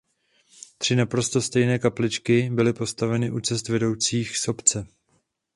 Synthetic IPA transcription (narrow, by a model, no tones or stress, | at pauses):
t̪r̝̥ɪnapɾo̞st̪o̞st̪ɛjnɛːkaplɪt͡ʃkɪbɪlɪpo̞st̪avɛnɪʔut͡sɛst̪vɛdo̞wt͡siːxso̞pt͡sɛ